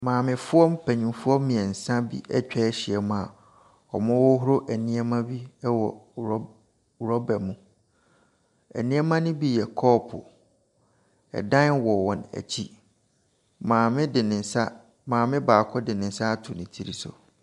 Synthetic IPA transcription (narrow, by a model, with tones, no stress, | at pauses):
mãː˨mɪ̃˨fʊ˦ɔ˦m˦pʰæ˨ɲĩ˨mfʊ˦ɔ˦m˦mĩ˨ɛ̃˨n̩˨sã˦bḭ˦ʔɛ̰˦t͡ɕᶣɛ˦ɕɪ˨ɛ˨mʊ̃˦a˨ | ɔ˨mʊ̃˦wɔ˦ɦʊ˦ɾo˦ʔæ˨nĩ˦ɛ˦mã˦bi˦wɔ˨˦˨ | ɾɔ˦bɛ˨mũ˨ | æ̰˨nĩ˦ɛ˦mã˦nʊ̃˦bi˦jɛ˨kʰɔː˦pʰʊ̰˨ | ɛ̰˨dã˦nwɔ˨wɔ̃˨næ̰˨t͡ɕʰi˦ | mãː˨mɪ̃˦dɪ˨nɪ̃˨n˨sa˦ | mãː˨mɪ̃˦baː˨kʰɔ˦dɪ̃˨nɪ̃˨n̩˨sa˦tʰʊ˨nɪ̃˨tʰi˦ɾi˦sʊ̰˨